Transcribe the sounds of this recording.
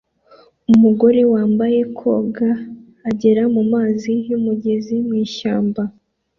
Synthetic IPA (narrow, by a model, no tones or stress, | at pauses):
umuɡo̞ɾewaːmbaje̞kʰo̞̰ːɡaː | ɟe̞ɾamumaːziumuɟe̞zimŋiːʃaːmba